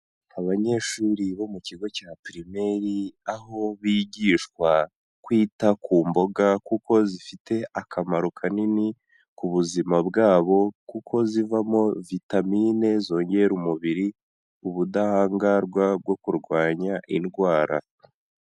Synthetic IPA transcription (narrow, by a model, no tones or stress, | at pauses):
aβaɲe̞ʃuːɾiβo̞muciɡo̞capiɾime̞ɾiaɦo̞βiːɟiːʃkwa | kwiːtakuːmbo̞ɡakuko̞zifite̞ʔakʰamaɾukʰanini | kuβuzimabɡaːβo̞kukʰo̞zivamo̞vitamiːne̞zo̞ːɲɟeɾumuβiɾi | uβudahaːŋɡaɾɡwab̚ɡwo̞kuɾɡwaːɲaʔinɡwaːɾa̰